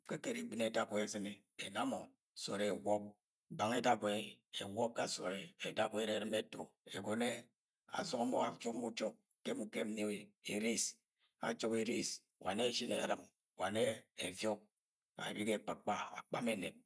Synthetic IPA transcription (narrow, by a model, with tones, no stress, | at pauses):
ke˦ke˦ɾi˨bi˦ne˨da˦kwe˦e˨sɨ˦ne˦ | e˨na˦mo˨ | so̰˨ɾe˨wɔ˦p̚ | ba˨ŋe˦da˦be˨˦˨e˨wɔ˦p̚ka˦˨so̰˨ɾe˨e˨da˦ke˦ɾe˦˨ɾɨ˦me˦to̰˨e˨ɡo˨ne˦ | a̰˨so˨˦mo̰˦a˦t͡ʃo˦kmu˦t͡ʃo˦k̚ | ke˦mu˦ke˦m̩˦ni˦we˨e˨ɾi˦s | a̰˨t͡ʃo˦ki˨ɾi˦s | wa̰˨ne˦˨ʃi˦nḛ˨a̰˨ɾɨ˨m | wa˨ne˦ḛ˨vjo˦k̚ | a̰˨ɾi˦ke˦˨k͡pa˨k͡pa˦a̰˨k͡pa˦me˦nḛ˨t̚